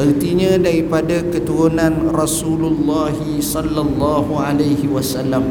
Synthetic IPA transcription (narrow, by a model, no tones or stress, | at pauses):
bərt̪iɲãdaɾipadakət̪uɾunãnrɔsululːaɦisɔlːalːaɦualajhiwasalːam